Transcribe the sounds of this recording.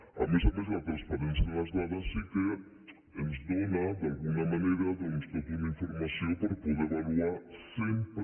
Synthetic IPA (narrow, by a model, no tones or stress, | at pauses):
a̰mesamez̬ɐt̪ɾaspaɾẽnsjɐðelɐzðaðɐseke | enzd̪onɐd̪alɣuŋɐmãneɾɐðenust̪ot̪iðĩɱfoɾmasjõpoɾpoðeβaluaɾsẽmpɾ